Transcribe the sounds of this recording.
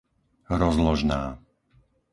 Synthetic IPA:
ɾɔzlɔʒnaː

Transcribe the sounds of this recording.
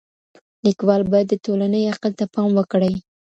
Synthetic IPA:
likwɑlbad̪ːət̪olanəjaqəlt̪apɑmwəkɽəj

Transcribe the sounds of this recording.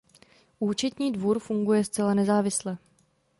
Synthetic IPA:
ʔuːt͡ʃɛt̪ɲiːdvuɾfuŋɡujɛst͡sɛlanɛzaːvɪslɛ

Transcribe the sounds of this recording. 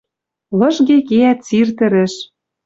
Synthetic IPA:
lɤ̆ʃɣekeæt̪t͡sirt̪ɘ̆ɾɘ̆ʃ

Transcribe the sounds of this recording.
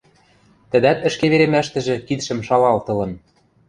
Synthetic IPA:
t̪ə̆d̪æt̪ɘ̆ʃkeβeɾemæʃt̪ɘ̆ʒɘ̆kit̪ʃɘ̆mʃɑlɑlt̪ɤ̆lɤ̆n

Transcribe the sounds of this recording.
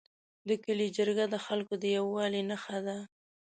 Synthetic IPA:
d̪əkəlid͡ʒəɾɡad̪əxalkod̪əjawɑlinaxad̪a

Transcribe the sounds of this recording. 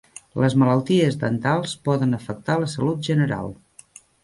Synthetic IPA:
ləzmələlˠt̪iəzðənt̪alˠspɔðənəfək̚t̪aləsəlut̪̚ʒənəɾa̰lˠ

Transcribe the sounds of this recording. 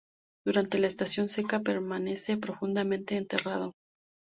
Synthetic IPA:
d̪̥uɾant̪e̞laest̪asjo̞nse̞kape̞ɾmane̞se̞pɾo̞fund̪amẽnt̪e̞ːnt̪e̞rað̞o̞

